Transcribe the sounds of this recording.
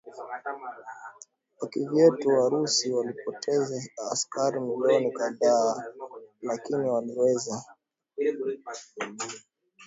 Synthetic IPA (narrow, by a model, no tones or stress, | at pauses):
wakivjɛtuwaɾusiwalipɔtʰɛzaːskaɾim̩lɔnikaðaː | lakiniwaliwɛza